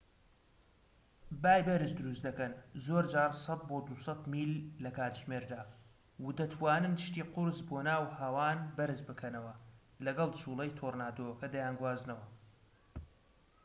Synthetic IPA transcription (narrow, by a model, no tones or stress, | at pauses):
baːjbɐɾɨʃd̪ɨɾust̪d̪ɐkɐnzoːɾd͡ʒaːɾsˤɑt̪̚boːd̪usɐt̪miːlːɐkʰaːt̪ʒmeːɾd̪aː | wud̪ɐt̪ʰwaːnɨnd̪ɨʃt̪iːqʊɾzboːnaːwhaːwaːnbɐɾɨzbɨkʰɐnɐwɐ | lɐɡɐlˠt͡ʃʰulˠejt̪ʰornaːd̪owɐkɐd̪ɐjaːnɡwaːzɨnɐwɐ